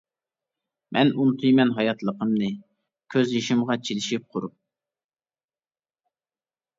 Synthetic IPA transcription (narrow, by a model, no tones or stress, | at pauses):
mʔɛnunt̪ʰɨjmɛnɦɑjɑt̪lˠəqəmnɨ | kʲʰøzjeʃɪmʁɑt͡ʃʰilɪʃip̚qʰʊɾup̚